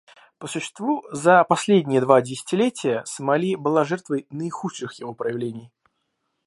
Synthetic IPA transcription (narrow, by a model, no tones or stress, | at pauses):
pəsʊɕːɪ̥st̪vuzəpɐsʲlʲedʲnʲɪjəd̪vadʲɪsʲɪ̥tʲɪlʲetʲɪjəsəmɐlʲibɨlˠaʐɛrt̪vəjnəɪxuʂɨxjɪvo̞pɾəjɪvlʲenʲɪj